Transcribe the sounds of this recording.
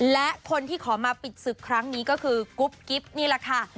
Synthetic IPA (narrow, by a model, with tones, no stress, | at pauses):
lɛ˦˥ʔkʰo˧nt̪ʰiː˥˩kʰɔː˩˦maː˧pi˨˩t̪̚sɯ˨˩kʰːɾa˦˥ŋniː˦˥kɔː˥˩kʰɯː˧ku˦˥p̚ki˦˥p̚niː˥˩lɛ˨˩kʰa˥˩